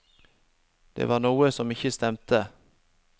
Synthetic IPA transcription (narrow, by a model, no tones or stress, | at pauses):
d̪̥ḛːʋɑːʁnuːəsɔmɪçəst̪ɛmt̪ʰə